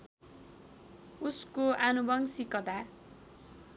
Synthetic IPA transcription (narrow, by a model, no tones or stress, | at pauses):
uskoʔanubʌŋsikʌd̪a